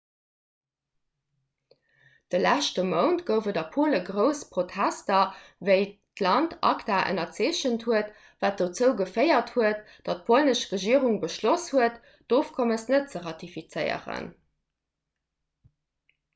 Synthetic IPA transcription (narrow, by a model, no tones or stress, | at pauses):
d̥əlæʃtəməʊntɡ̥əʊvədɐpʰoːləɡʁəʊspʁ̥otʰæstɐvəɪtlɑntʰɑ̰ktaːʔə̰nɐt͡seːɕənthuət | vaːt̚d̥ot͡səʊɡəfɜɪɐthuət | d̥ɑt̚pʰolnəʃʁeəʒiəʁuŋbəʃloshuət | d̥oːfkʰoməsnət̚t͡səʁɑtifit͡səɪə̰ʁə̰n